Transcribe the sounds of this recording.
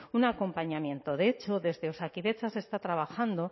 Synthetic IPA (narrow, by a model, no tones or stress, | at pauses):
unako̞mpaɲamjẽ̞nt̪o̞ðeet͡ʃo̞ðe̞zðe̞osakiðe̞t͡ʃase̞st̪at̪ɾaβ̞axand̪o̞